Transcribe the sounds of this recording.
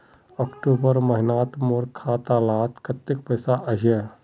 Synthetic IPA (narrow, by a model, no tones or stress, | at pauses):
ɔːkʈoːbəɾməɦɪnaːt̪moːɾkʰaːt̪aːlaːt̪kɐt̪ːɪk̚pəjsaʔɐɦie